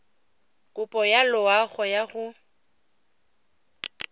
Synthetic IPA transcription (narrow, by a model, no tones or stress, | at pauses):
kʼʊpʼɔjalʊaɣɔjaɣʊ